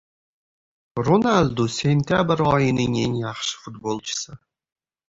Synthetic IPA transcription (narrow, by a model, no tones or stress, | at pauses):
ronald̪usʲenʲt̪ʲabrʁɑjinɨnʲenʲaχʃfut̪bolˠt͡ʃʰɨ̥sə